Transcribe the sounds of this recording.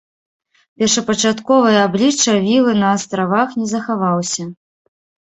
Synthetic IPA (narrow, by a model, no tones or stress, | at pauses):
pʲɛrʂɐpɐt͡ʂat̪kɔvɐjɐablʲit͡ʂːɐvʲilˠɨnɐːst̪ɾavaxnʲɛzɐxavawsʲɐ